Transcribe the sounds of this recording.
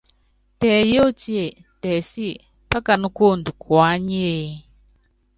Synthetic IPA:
tɛː˨jo˦˨ti˦e˨ | tɛː˨si˦ | pa˦ka˨nu˦ko˦˨ndu˨kwa˨˦ɲ˦e˦˨

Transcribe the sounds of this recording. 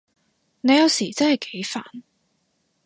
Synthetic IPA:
ne˨˧jɐ˨˧wsiː˨˩t͡sɐ˥nhɐ˨jke˨˥jfa̰ː˨˩n

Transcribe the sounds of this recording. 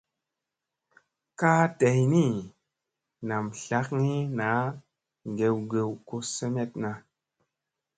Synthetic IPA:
kaː˦te˨jni˦˨ | na˨mɬa˦kni˦na˨˦ | ŋɡe˨wɡe˨wko˦se˦me˦tna˨

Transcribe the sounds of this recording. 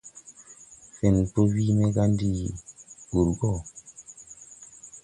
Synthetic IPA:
fe˨npo˦wi˦me˦ɡa˦ndi˦˨bu˨ɾɡɔ˦˨

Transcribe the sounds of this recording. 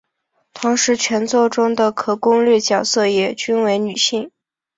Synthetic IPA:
t̪ʰʊ˧˥ŋʂɻ̩˧˥t͡ɕʰɥɛ˧˥nt͡swɔ˥˩ʈ͡ʂʊ˥ŋd̪ə˨kʰɤ˨˩kʊ˥ŋlɥɛ˥˩t͡ɕjɑ˨˩ʊsɤ˥˧jɛ˥˩t͡ɕy˥nwe˧˥ɪny˨˩ɕi˥˩ŋ

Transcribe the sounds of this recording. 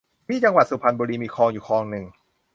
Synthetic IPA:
miː˥˩t͡ɕa˧ŋwa˨˩suː˨˩pʰa˧nbuː˧ɾiː˧miː˧kʰɔː˧ŋjuː˨˩kʰɔː˧ŋnɯ˨˩ŋ

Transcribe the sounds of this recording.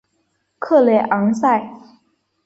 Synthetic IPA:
kʰɤ˥˩le˧˩ʔɑ˧˥ŋsa˥˩ɪ

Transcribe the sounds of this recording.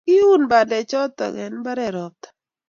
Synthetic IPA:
ki˦u˦nba˨dɛ˨t͡ʃɔ˦t̪ɔ̰˨ŋɛ̰˨nba˦ɾɛ˨ɾɔ˨t̪ḁ

